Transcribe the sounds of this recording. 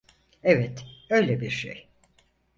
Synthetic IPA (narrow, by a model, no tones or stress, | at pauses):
evɛt̪ø̞jlʲebiɾʃḛj